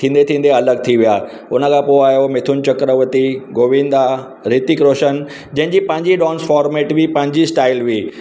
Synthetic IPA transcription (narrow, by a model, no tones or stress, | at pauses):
t̪ʰĩːn̆d̪et̪ʰĩːn̆d̪eɐləɡ̚t̪ʰiʋijaː | ʊnə̆kʰãːpoaːɦjomɪt̪ʰʊnɪ̆t͡ɕɐkɾəʋət̪iɡoːʋĩːnd̪a | ɾiːt̪ikɾoːʃən | d͡ʑɐ̃ɦɪ̃ɲd͡ʑipɐ̃ɦɪ̃ɲd͡ʑiɗɔ̃ːnsfɔːɾmeːʈʋipɐ̃ɦɪ̃ɲd͡ʑisʈaːɪlʋiː